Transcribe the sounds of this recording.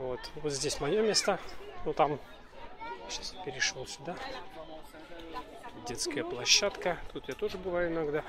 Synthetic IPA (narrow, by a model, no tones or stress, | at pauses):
vot̪vot̪zʲdʲesʲmɐjomʲest̪ənot̪am | ɕaspʲɪɾʲɪʂolˠsʲʊd̪a | dʲet̪skəjəplˠɐɕːat̪kət̪ut̪jat̪o̞ʐɨbɨvajʊɪnɐɡd̪a